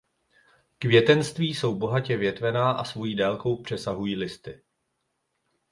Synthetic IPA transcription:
kvjɛt̪ɛnst̪viːso̞wbo̞ɦacɛvjɛt̪vɛnaːʔasvo̞jiːdɛlko̞wpr̝̥ɛsaɦujiːlɪst̪ɪ

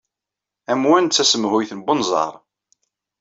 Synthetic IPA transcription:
æmwænt͡sːæsəmhʊjθnbənzˤɑ̰ɾˤ

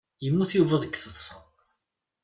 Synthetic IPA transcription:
jəmːuθjuvəðˤəkːθəðˤsˤə

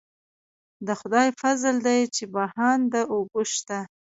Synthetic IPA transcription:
d̪əxʊd̪ɑjfazld̪ajt͡ʃebahɑnd̪əʔoɡoʃt̪a

